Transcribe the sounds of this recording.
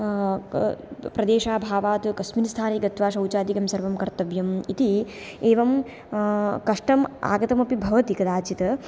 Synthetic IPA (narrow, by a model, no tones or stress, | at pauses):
pɾɐd̪eːʃaːbʱaːʋaːt̪ukɐsminst̪ʰaːniːɡɐt̪ʋaːʃɐwt͡ʃaːd̪ikɐmsɐɾʋɐmkɐɾt̪ɐʋjɐmit̪i | eːʋɐm | kɐʂʈɐma̰ːɡɐt̪ɐmɐpibʱɐʋɐt̪ikɐd̪aːt͡ʃit̪ɐ